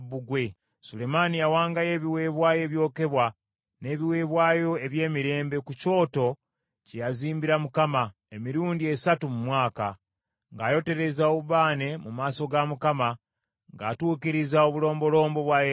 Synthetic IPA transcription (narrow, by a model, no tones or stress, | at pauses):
βuɡwe̞ | sule̞manijawaːŋɡaje̞ːβiwe̞ːβwaːje̞βjo̞ːke̞βwa | ne̞ːβiwe̞ːβwaːjo̞e̞βje̞ːmiɾe̞ːmbe̞kuco̞ːto̞ | cejaziːmbiɾamukama | emiɾuːndie̞satumumwaːka | ŋɡaːjo̞te̞ɾe̞zaoβuβaːne̞mumaːso̞ɡamukama | ŋɡaːtuːkiɾizaoβulo̞ːmbo̞lo̞ːmbo̞βwaje